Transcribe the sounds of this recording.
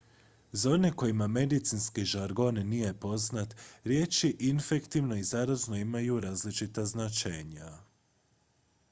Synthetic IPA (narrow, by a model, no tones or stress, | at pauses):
zao̞ne̞ko̞jimame̞d̪it̪sinskiʒaɾɡo̞nːije̞po̞znat̪ɾje̞ːt͡ʃiʔinfe̞kt̪iʋno̞izaɾazno̞imajuɾaːzlit͡ʃit̪aznat͡ʃeɲa